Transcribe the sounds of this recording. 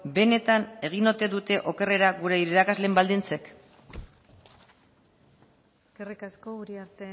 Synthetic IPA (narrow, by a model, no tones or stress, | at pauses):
be̞ne̞t̪ane̞ɣ̞ino̞t̪e̞ðut̪e̞ʔo̞ke̞re̞ɾaɣuɾe̞iɾakazleːmbald̪int͡se̞k | eskerikasko̞uɾiaɾt̪e